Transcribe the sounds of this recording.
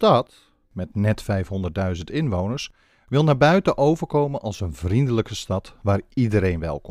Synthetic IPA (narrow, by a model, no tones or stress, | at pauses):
stɑt | mɛtnɛtfɛjfɦɔndərt̚dœɥzəntɪnʋownəɹs | ʋɪlˠnaːɹbœɥtəʔowvərkowmənʔɑlˠsənvrindələkəstɑtʋaːridəɾejnʋɛ̰lˠk